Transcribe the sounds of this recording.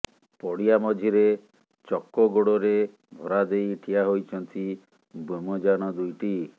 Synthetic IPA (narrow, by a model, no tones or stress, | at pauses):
pɔɽijamɔd͡ʒʱiɾe | t͡ʃɔkːɔɡoɽɔɾe | bʱɔɾad̪ejʈʰijaɦojt͡ʃʰɔnt̪ʰi | bomɔd͡ʒanɔd̪ujʈi